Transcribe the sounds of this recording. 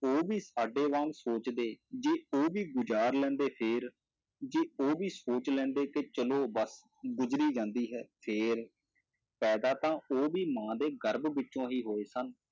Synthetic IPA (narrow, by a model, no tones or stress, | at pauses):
oːbiːsaːɖeːʋãːlsoːt͡ʃd̪eːd͡ʒeːoːbiːɡʊd͡ʒaːɾlɛ̃ːnd̪eːpʰɪːɾ | d͡ʒeːoːʋiːsoːt͡ʃlɛ̃ːnd̪eːket͡ʃəloːbəs | ɡʊzɾiːd͡ʒãːnd̪iːɦɛːpʰeːɾ | pɛːd̪aːt̪ãːoːbiːmãːd̪eːɡəɾbʋɪt͡ʃːʃõːɦiːɦoːeːsən